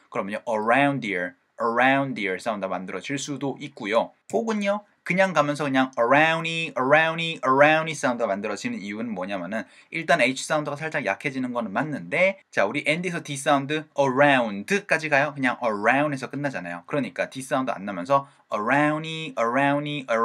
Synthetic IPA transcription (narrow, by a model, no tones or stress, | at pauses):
kɯɾʌmjʌɲoʔʌɾawndiɭ | ʌɾaundiɭs͈aundɯɡmandɯɾʌd͡ʑiɭs͈udoʔik̚k͈ujo | hoɡɯɲo | kɯɲaŋkamjʌnsʰʌkɯɲaŋʌɾauniʌɾauniʌɾaunis͈aundɯɡamandɯɾʌd͡ʑʰinɯnijunɯnmwʌɲamjʌnɯn | iɭt͈aneit͡ɕʰi̥s͈aundɯɡasʰaɭt͡ɕ͈aŋja̰kʰe̞d͡ʑinɯnɡʌnɯnmanːɯnde̞t͡ɕauɾiʔendiesʰʌtis͈aundɯʌɾaundɯk͈ad͡ʑiɡajokɯɲaŋʌɾaunesʰʌk͈ɯnːad͡ʑana̰jo̰kɯɾʌɲik͈atis͈aundɯa̰nːamjʌnsʰʌ | ʌɾauniʌɾauniʔʌ